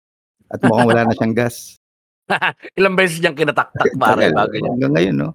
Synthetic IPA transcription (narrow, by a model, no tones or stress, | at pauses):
ʔɐt̪̚mokaŋwɐlaːnɐʃaŋɡas | haʔɪlɐŋbɛːs̬ɛsɲɐŋkɪnat̪ak̚t̪ak̚baːɾɛlbaːɡʊɐ̰ŋɡɐŋːɐjonːo